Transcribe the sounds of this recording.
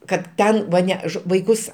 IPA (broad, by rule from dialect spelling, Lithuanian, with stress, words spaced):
kɐt ˈtʲɛn ʋɐ ˈnʲɛ ʃ ʋɐɪˈkʊs